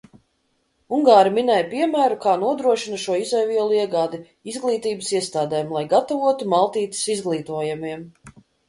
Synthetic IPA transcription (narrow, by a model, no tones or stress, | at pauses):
uŋɡaːɾiminɛjpiɛmæːɾukaːnuɔd̪ɾuɔʃinɐʃuɔizɛjviɛlˠuiɛɡaːd̪i | izɡlˠiːt̪iːbəsiɛst̪aːd̪ɛːmlˠajɡat̪avuɔt̪umalˠt̪iːt̪i̥sizɡlˠiːt̪uɔjamiɛm